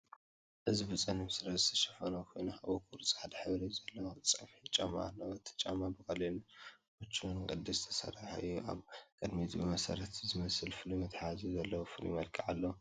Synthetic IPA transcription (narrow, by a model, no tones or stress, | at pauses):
ʔɨzibɨt͡sʼɐnɨmsɨɾɐzɨt̪ʰɐ̥ʃɐ̥fɐnokʰojnuaβokʰuɾt͡sʼħad̪ɐħɨβɾizɐlːɐwt͡sʼɐfħit͡ʃʼama̰lːɐwt̪ʰɐ̥t͡ʃʼamabɨkʼɐlinʔot͡ʃːiunkʼɨd̪ist̪ʰɐ̥sɐ̰raħɨjːuʔa̰βkʼɨd̪mit̪ʰbɨmɐsɐ̰ɾɐt̪zɨmɐsɨlfɨlumɨt̪ħazizɐlːɐwofɨlṵmɐlkʰʼiʕalːɐ